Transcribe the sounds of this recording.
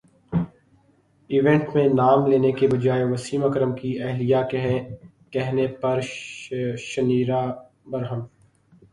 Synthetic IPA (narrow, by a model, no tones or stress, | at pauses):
ɪʋẽɳʈmẽnaːmleːnekebɐd͡ʒaːeʋɐsiːmɐkɾəmkiɛɦlijakɦ | kɛɦnepɐɾ | ʃɐniːɾa | bɐɾɦəm